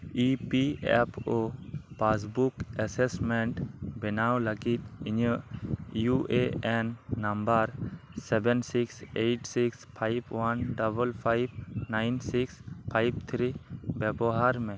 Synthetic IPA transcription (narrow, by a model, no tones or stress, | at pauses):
ipiɛ̰popas̬bukɛsɛsmɛɳʈbɛnawlaɡit̪̚iɲəʔjuʔeɛnːambaɾsɛbɛnsiksejʈsikspʰajbwanɖabəlpʰajb̚najnsikspʰajbt̪ʰɾibɛbɔɦaɾmɛ̃